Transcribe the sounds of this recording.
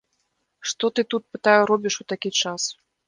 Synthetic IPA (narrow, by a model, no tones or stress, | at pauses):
ʂt̪ɔt̪ɨt̪ut̪̚pɨt̪ajuɾɔbʲiʂut̪akʲit͡ʂas